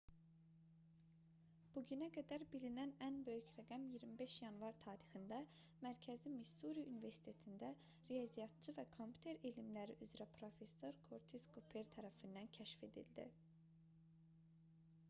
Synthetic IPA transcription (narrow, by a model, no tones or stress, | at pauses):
b̥uɟynæɡæd̪æɾbilinænænbø̞jycɾæɡæmjiɾmibe̞ʃjɑnvɑɾt̪ʰɑːɾixind̪æmæɾcʰæzimisuɾiynive̞ɾsi̥t̪ʰet̪ʰind̪æ | ɾiɑzijɑt̪̚t͡ʃʰɯvækʰompʰʲu̥t̪ʰe̞ɾelimlæɾḭʔyzɾæpʰɾofe̞sːo̞ɾkʰoɾt̪ʰiskʰopʰe̞ɾt̪ʰæɾæfind̪æncʰæʃfe̞d̪ḭld̪ḭ